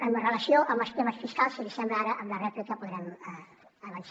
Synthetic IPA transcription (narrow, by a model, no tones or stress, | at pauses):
əmərələsioʔəmbəst̪eməsfiskalˠsilisɛmbɾaɾəʔəmlərɛplikəpuðɾɛmɛ | əβəns